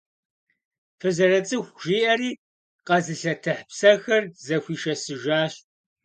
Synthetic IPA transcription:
fɨzɐɾɐt͡sʼɨxʷʒ̥iːʔɐɾiː | qɐzɨɬɐtʰɨħpsɐxɐrzɐxʷiːʃɐsɨʒaːɕ

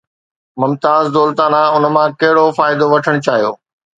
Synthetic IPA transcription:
mʊmt̪aːzd̪oːlt̪aːnaʊnə̆mãkɐɦɪɽofaːɪd̪oʋɐʈʰəɽ̃ʊt͡ɕaːɦijo̰ː

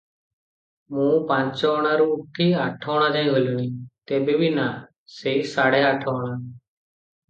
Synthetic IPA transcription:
mũːpãːt͡ʃɔɽ̃aɾuuʈʰiːaːʈʰɔːɽ̃ãːd͡ʒaːĩːɦoːljuːniːt̪eːbeːbʱiːna | seisaːɽeːaːʈʰɔːɽ̃aː

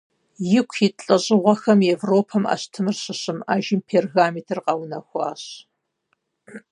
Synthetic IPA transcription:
jɪkʷʰjɪɬʼɐɕʼɪʁʷɔxɐmevroːpʰɐma̰ːɕtʰɨmɨrɕɪɕʼɪmaːʒɪmpʰeːrɣaːmitʰɨrqɑwnɐxʷɑːɕ

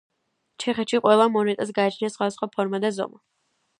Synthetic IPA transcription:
t͡ʃʰɛχɛt̪ʃiqʼwɛlˠamɔnɛt̪ʼɛs̬ɡaːt͡ʃʰniasχwad̪asχwapʰɔɾmad̪azɔ̰ma

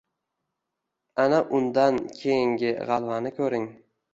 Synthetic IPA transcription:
anaʔʊnd̪ankʲʰejɪŋɡʲɪʁɑlˠvanɪkʲʰɵɾɪŋ

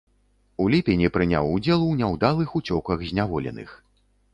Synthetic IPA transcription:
ulʲipʲenʲipɾɨnʲa̰wud͡zʲɛlˠwnʲawd̪alˠɨxut͡sʲɔkɐxzʲnʲavɔlʲɛ̰nɨ̰x

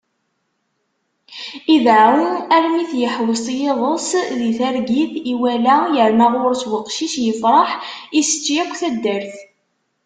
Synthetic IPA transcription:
iðauæɾmiθjəħwəsˤjeðˤəsðiθæɾɡiθiwælæjəɾmaʁʊɾswəqʃiʃjəfɾˤɑħisə̥t͡ʃːjækʷːθæd̪ːəɾθ

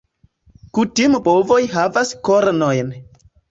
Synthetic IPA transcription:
kutimbovo̞jɦavaskoɾnojn

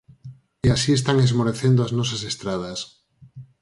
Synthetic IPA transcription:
iasiest̪aŋezmoɾeθend̪oaznos̬asest̪ɾað̞as

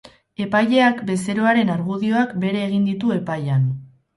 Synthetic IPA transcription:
e̞paje̞akbe̞se̞ɾo̞aɾe̞naɾɣuðio̞akbe̞ɾe̞ːɣ̞ind̪it̪ue̞pajan

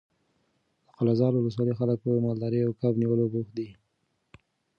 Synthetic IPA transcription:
d̪̥əqʊlazɑlwʊləs̬wɑlixalək̚pəmɑld̪ɑɾiawkabniwəlobuxd̪i

